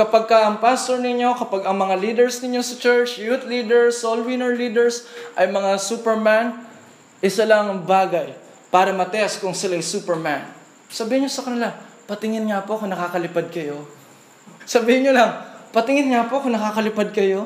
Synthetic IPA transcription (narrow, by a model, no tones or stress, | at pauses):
kɐpaɡ̚kɐʔɐŋpast̪oɹnɪɲo̞kɐpaɡɐŋmɐŋaliːd̪ɛɹsnɪɲjo̞sɐt͡ʃɛɹt͡ʃjut̪liːd̪ɛɹsːolwinɛɹliːd̪ɛɹsʔɐjmɐŋasuːpɛɹman | ʔɪsɐlɐŋɐbaːɡɐj | paːɾɐmɐt̪ɛʔɐskʊŋsɪlajsuːpɛɹman | sɐbiːhɪnɲosɐkɐnɪlapɐt̪ɪŋɪnŋapo̞ʔɐkoŋnɐkaːkɐlɪpad̪̚kɐjo̞ | sɐbiːhɪnɲolɐŋpɐt̪ɪŋɪnŋapo̞ʔɐkonɐkaːkɐlɪpad̪̚kɐjo̞